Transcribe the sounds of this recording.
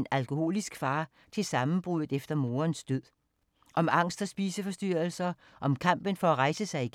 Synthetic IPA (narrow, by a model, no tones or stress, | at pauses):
nælkʰo̝ho̝̰ːlisɡ̥fɑ̈ː | t͡sʰe̝lsɑ̈mn̩b̥ʁuðð̩ˠefd̥ɐmo̝ːɐnsd̥øð̰ˠ | ʔɒ̽mɑ̈ŋ̰sd̥ɒsb̥iːsəfɒ̽sd̥yɐ̰l̩sɐ | ʔɒ̽mkʰɑm̰b̥ənfɒ̽æʁɑ̈ɪsəsɑ̈ɪiɡ̥